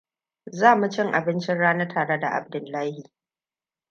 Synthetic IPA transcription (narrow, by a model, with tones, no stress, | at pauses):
zaː˦mu˨t͡ʃɪ˦ŋʔa˨bɪ˦nt͡ʃɪ˦nɽaː˦nɐ˦tʰaː˨ɽe˦da˨ʔa̰˨b̚dʊ˨lːaː˦hi˨